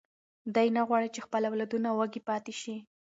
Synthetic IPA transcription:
d̪ajnaɣwɑɽit͡ʃexpəlawlad̪unawaɡipɑt̪eʃi

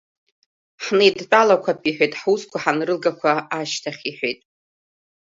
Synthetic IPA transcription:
ħnɨidt͡pʼalakʷʰapʰiħʷᶣejtʼħuskʷʰaħanrɨlɡakʷʰaaʃtʰaχʲiħʷᶣejtʼ

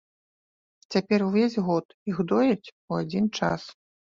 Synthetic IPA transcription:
t͡sʲapʲɛruvʲezʲɣɔt̪iɣd̪ɔjɐt͡sʲ | uad͡zʲint͡ʂa̰s

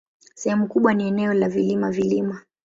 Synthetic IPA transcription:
sɛhɛmukuɓwaniɛnɛɔlavilimavilima

